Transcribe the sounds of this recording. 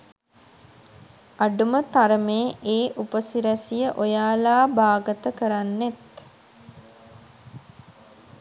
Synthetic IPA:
aɖumət̪aɾəmeːʔeːʔupəsiɾæsijəʔojaːlaːbaːɡət̪əkəɾanːet̪

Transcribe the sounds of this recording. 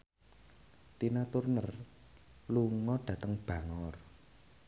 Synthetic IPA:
t̪inat̪ʊrnər | luŋɔɖ̥ä̤t̪əŋb̥ä̤ŋɔr

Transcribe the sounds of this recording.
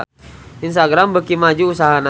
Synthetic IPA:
ins̬t̪aɡɾambəkimad͡ʒuːsaɦana

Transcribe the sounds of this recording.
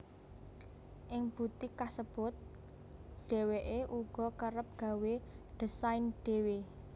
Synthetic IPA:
ʔɪŋb̥ṳt̪ikasəb̥ʊ̤t̪̚ | ɖ̥e̤weʔeʔuɡ̥ɔ̤kəɾəp̚ɡ̥a̤weɖ̥ə̤saɪnɖ̥e̤we

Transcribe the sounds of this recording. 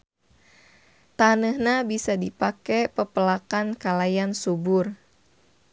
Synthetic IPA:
t̪anəhɲabisadipakɛpəpəlakankalajansubʊr

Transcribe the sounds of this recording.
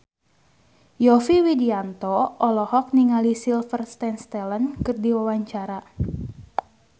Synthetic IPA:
jɔfiwidiant̪ɔʔɔlɔhɔk̚niŋalisilfərst̪ɛnst̪ɛlənkɨrdiwawaɲt͡ʃaɾa

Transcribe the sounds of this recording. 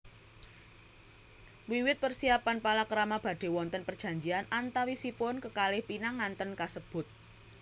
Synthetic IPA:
wiwɪt̪̚pərsiapanpalakəɾamab̥a̤ɖ̥e̤wɔnt̪ənpər̥d͡ʒ̥a̤ɲd͡ʒianʔant̪awisipʊnkəkalɪhpinaŋːant̪ənkasəb̥ʊ̤t̪̚

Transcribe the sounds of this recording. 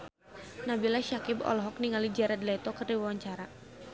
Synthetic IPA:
nabilaʃakɪbɔ̰lɔɦɔk̚niŋalid͡ʒɛɾadlɛt̪ɔkɨrdiwawaɲt͡ʃaɾa

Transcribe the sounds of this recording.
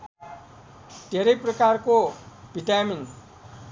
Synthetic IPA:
d̪̥ʱeɾʌjprʌkarkobʱiʈamin

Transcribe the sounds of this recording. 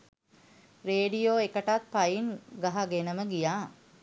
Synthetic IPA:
reːɖijoːekəʈat̪̚pajinɡaɦaɡenəməɡijaː

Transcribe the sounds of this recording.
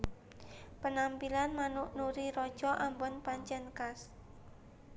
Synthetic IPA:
pənampilanmanʊʔnuɾiɾɔ̥d͡ʒɔʔambɔnpaɲt͡ʃɛnkas

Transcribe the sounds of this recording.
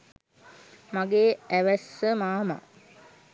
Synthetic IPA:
maɡeːæʋæsːəmaːma̰

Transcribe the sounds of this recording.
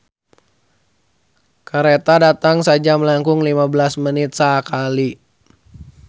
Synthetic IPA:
kaɾet̪adat̪aŋsad͡ʒaməlaŋkʊŋlimabəlasmənɪt̪̚sakali

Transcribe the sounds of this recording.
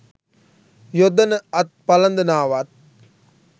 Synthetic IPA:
jod̪ɐnəɐt̪̚pɐlɐnd̪ɐnaːʋat̪̚

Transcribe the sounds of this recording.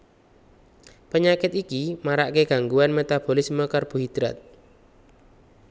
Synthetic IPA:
pəɲakɪt̪ikimaɾaʔkeɡ̥a̤ŋɡuanmet̪ab̥olɪsməkarb̥ṳɦid̪̥ɾa̰t̪̚

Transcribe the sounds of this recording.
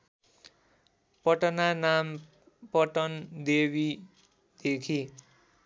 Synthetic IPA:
pʌʈʌnanam | pʌʈʌnd̪ebi | d̪̥ekʰi

